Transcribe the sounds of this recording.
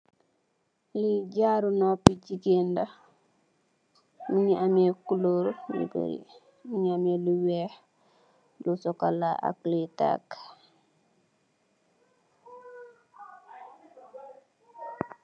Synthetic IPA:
liɟaɾunopiɟiɡenda | miɲiamekuloɾnḭbḛɾḭ | miɲiameliwɛh | lusɔkalaa̰klita̰k

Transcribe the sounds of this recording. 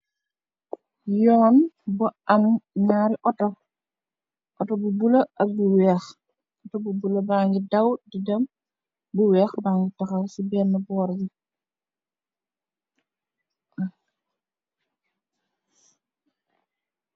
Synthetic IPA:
jɔːnbuanɲaːɾiʔɔtɔ | ʔɔtɔbubulɐʔɐbuwɛːx | ʔɔtɔbubulɐbaŋɡidɐwdidɐm | buwɛːxbaːŋɡitaxawsibɛnːɐbɔːɾd͡ʒi

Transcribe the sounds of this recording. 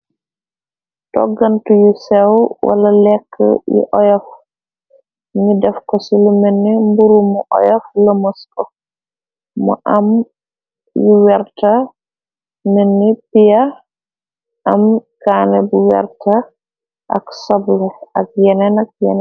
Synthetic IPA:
tɔ̰ɡantujusɛwwʔa̰lalɛkʰːə̰jḭʔɔjɔf | nidɛfkɔsilumenːimbuɾumɔʔɔ̰jɔflamɔskɔ | mɔ̰ʔam | juwɛɾta | menːipija | ʔamkaːnɛbuwɛ̰ɾtʰa | ʔa̰ksɔblɛak̚jɛnɛnak̚jɛ̰nɛ

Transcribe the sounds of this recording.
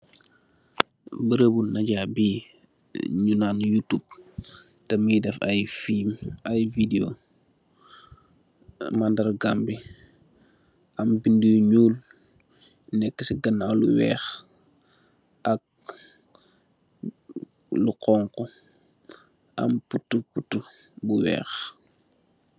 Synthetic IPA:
bəɾəbunɐɟabi | ɲunaːnjutub̚ | tɛmidɛfɐ̰jfimɐjvido | mandɐɾɡambi | ʔɐmbindiɲuːl | nɛkːəsiɡɐnːalṵwɛ̰ːx | ʔɐk̚ | luqɔːŋkɔ | ʔɐ̰mputːuputːu | buwɛ̰ːx

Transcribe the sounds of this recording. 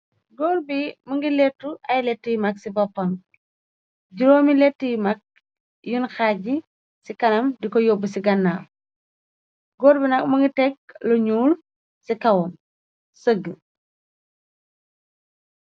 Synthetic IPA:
ɡɔːɾbimuŋɡilɛtːuʔɐjlɛtːujmɐksibɔpːɐn | ɟiɾoːmilɛtːujmɐk̚ | junxaːɟi | sikɐnɐmdikɔjɔbːusiɡɐnːaːl | ɡɔːɾbinɐk̚muŋɡitɛk̚lɔɲuːl | sikɐwɔm | səɡə

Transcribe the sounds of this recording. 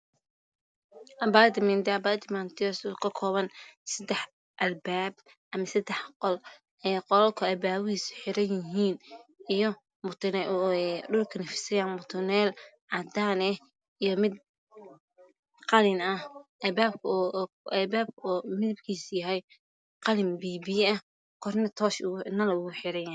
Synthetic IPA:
ʔɐbad̪ɪmɐnd̪ɐbaːt̪ɪmant̪ʰɪɔsukʰɐkʰɔːβɐnsɐd̪ɛħ | ʔɐlbaːb̚ | ʔɐmɐsɐd̪ɛħqɔl | ɛːqɔlɔlkʰʊɛbaːwʊiːsħɪɾɐjɪɦiːnijɔ | mʊt̪ʰnɛɖʊlkʰɐnɐfɪ̥sɐjaːnmʊt̪ʰʊnɛːl | ʕɑd̪aːnɛ | ijɔmɪd̪ | qɑlɪnɐhɐbaːb̚kʰː | ʔɛbaːb̚kʰːmɪlɐb̚kʰiːsjɐɦɛj | qɑlɪmbiːbiːɐ | kʰɔrnɐt̪ʰɔːʃʊnɐlɐʊɣʊħɪɾɐjaː

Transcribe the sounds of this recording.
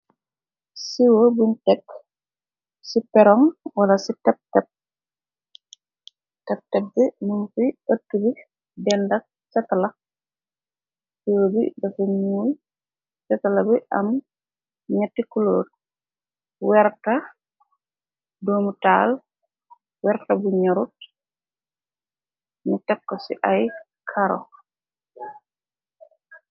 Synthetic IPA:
siwobuntɛk | sipɛɾɔŋwɐlasitɛp̚tɛp̚ | tɛp̚tɛb̚bɛnumfiatːubi | bɛndɐk̚ | sɛtala | siwobḭbɐfimuːj | sɛtalabɛʔɐm | ɲatːikuloːɾ | wɛɾta | doːmutaːl | wɛɾtabuɲaɾut̚ | mutɛkːɔsḭʔaj | kʰaɾɔ̰

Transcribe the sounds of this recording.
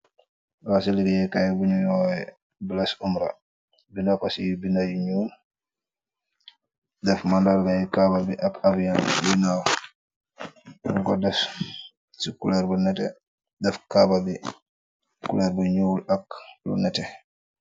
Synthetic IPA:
ɾasiliɡijɛkajbuɲuɔjɛ | bilasumɾa̰ | binakasijibinajuɲuːl | dɛfmandalkajikababiʔakafjanbinaw | nukɔdɛf | sikulɛɾbunɛtɛ̰ | dɛfkababi | kulɛɾbuɲuːlaklṵnɛtɛ

